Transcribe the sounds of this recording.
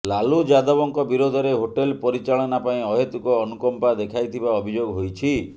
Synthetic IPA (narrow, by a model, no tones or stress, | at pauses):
lalud͡ʒad̪ɔbɔŋkɔbiɾod̪ʱɔɾeɦoʈelpɔɾit͡ʃaɭɔnapaĩɔɦet̪ukɔːnukɔmpad̪ekʰajt̪ʰibaɔbʱid͡ʒoɡɦojt͡ʃʰi